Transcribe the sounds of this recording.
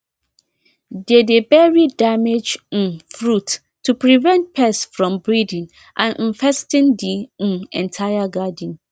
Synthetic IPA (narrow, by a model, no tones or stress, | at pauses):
dedebɛɹidamed͡ʒn̩fɹutːʰ | upɹivɛ̃nt̚pʰɛsfɹɔ̃mbɹidɪ̃n | ʔãn̩fɛstɪ̃ndin̩ɛ̃ntʰajaɡadn̩